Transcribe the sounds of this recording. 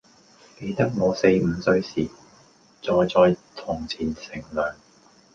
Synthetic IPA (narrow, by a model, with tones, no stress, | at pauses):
ke˧jt̪ɐ˥k̚ŋɔː˨˧se˧jm̩˨˧sɵ˧ɥsiː˨˩ | t͡sɔː˨jt͡sɔː˨˧jt̪ʰʊː˨˩ŋt͡sʰiː˨˩nsɪ˨˩ŋlœː˨ŋ